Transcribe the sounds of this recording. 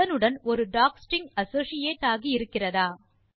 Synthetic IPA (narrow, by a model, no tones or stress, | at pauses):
ɐnɯɽɐnɔɾɯɖaːksʈɪŋɐsoːsɪjeːʈːaːɣiɪɾɯkːɪrɐðaː